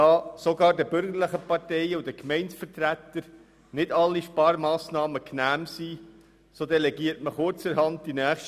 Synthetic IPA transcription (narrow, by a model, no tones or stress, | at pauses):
ɑːsoɡɑːɾdəbʏɾɡəɾləχəpɑrtɛɪəud̥əkmɛɪnsfəɾtɾæt̪ːəɾ | nɪdɑlːiʃpɑːɾmɑːsnɑːməknæːmsi | soːdɛlɛɡiːəɾtməχʊɾt͡sɛɾhɑntːinæːχʃt